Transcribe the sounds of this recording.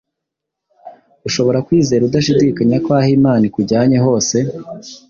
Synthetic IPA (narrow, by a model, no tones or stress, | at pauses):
uʃo̞βo̞ɾakwiːze̞ːɾudaʃ̬idikaɲakwaːhimaːnikuɾɟaːɲe̞ɦo̞ːse̞